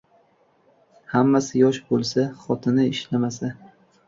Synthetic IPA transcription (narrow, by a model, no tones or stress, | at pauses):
hamːasɪjɒʃbolˠsaχɒt̪ʰɪnɪɪʃlamasa